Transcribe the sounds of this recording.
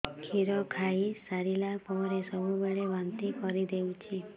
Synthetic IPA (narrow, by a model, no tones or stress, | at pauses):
kʰiɾɔkʰaisaɾilapɔɾesɔbʱubeɭebant̪ikɔɾid̪ewt͡ʃʰi